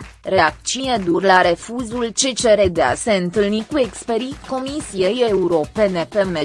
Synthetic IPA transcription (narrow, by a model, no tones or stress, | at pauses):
ɾe̞ak̚t͡ʃined̪urlaɾe̞fuzult͡ʃe̞t͡ʃe̞ɾed̪ea̰se̞ɨnt̪ɨlnikue̞kspeɾiko̞misie̞je̞uɾo̞pe̞ne̞pe̞me